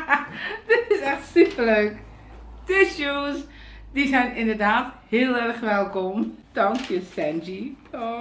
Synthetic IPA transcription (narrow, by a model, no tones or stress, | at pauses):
dɪtɪsɛχtseəløɥk | dɪsos | d̥izɛjnɪndəɹdaːthɪːlˠɛrχʋɛlˠkɔmd̥ɑŋkjəsɛnd͡ʒitʰɔ